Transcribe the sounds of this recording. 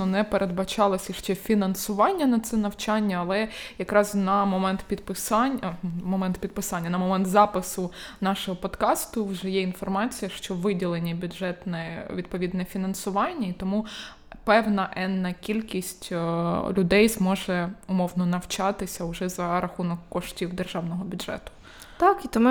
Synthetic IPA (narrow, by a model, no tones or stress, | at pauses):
ɔnɛpeɾʔe̞d̪̚bɐt͡ʃɑlˠɐsʲiʃt͡ʃɛfʲinɐnsʊʋɑnʲːɐnɐt̪sɛnɐwt͡ʃɑnʲːɐɐlˠɛjɐkɾɑznɐmɔmɛnt̪pʲid̪pɪsɑnʲmɔmɛnt̪pʲid̪̚pɪsɑnʲːɐnɐmɔmɛnt̪zɑpɪsʊnɑʃɔɦɔpɔd̪kɑst̪ʊwʒɛjɛinfɔrmɑt͡sʲijɐʃt͡ʃɔʋɪdʲilˠenʲːibʲʊdʐɛt̪nɛʋʲid̪pɔʋʲid̪nɛfʲinɐnsʊʋɑnʲːɐit̪ɔmu | pɛwnɐʔɛnːɐkʲilʲkʲisʲtʲlʲʊd̪ɛjzmɔʒɛʊmɔwnɔnɐwt͡ʃɑt̪ɪsʲɐʊʒɛzɐɾɐxunɔkːɔʃtʲiwd̪erʒɑwnɔɦɔbʲʊdʐ̥ɛ̰t̪ʊ̥ | t̪ɑkit̪ɔm